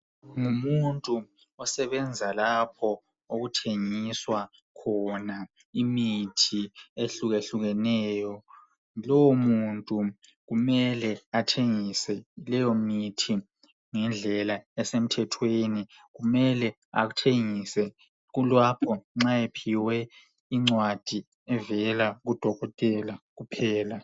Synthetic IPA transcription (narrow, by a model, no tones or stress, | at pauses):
ŋumuntʼu | ɔsɛβɛnd͡zʱalapʰɔ | oɣutʰeŋiswa | kʰɔna | imitʰieɬuɣeɬuɣɛnɛːjɔ | lɔwomuntʼu | ɣumɛlɛatʰeŋisɛlɛjomitʰi | ŋɛnd͡ɮʱɛlaɛsem̩tʰɛtʰweni | kumɛlɛ | a̰k̬utʰeŋisɛ | ɣ̬ulwapʰɔŋ͡ǁaepʰiwɛ | iŋ͡ǀwad̥ʱi | ɛvɛlaɣ̬ud̥ʱɔɣɔtʼɛlaɣupʰɛːla